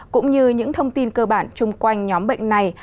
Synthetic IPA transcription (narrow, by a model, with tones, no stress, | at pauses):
kʊ̰˧˥ŋ͡mɲɨ˧ɲɨ̰˧˥ŋt̪ʰə˧wŋ͡mt̪i˧nkəː˧ɓaː˧˩nt͡ɕʊ˧ŋ͡mkwa˧jŋ̟ɲɔ˨˦mɓə̰˧˨jŋ̟na˨˩j